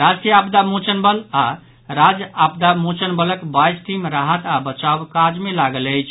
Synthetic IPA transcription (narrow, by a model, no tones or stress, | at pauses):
ɾad͡ʒkijapd̪amut͡ʃənbəla | ɾad͡ʒap̚d̪amut͡ʃənbələkbajsʈimɾaɦət̪abət͡ʃawkad͡ʒmelaɡələjt͡ʃʰ